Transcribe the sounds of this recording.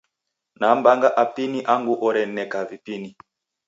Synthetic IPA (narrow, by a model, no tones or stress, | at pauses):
nambaŋɡaʔapiniʔaŋɡuʔɔɾɛnɛkavipini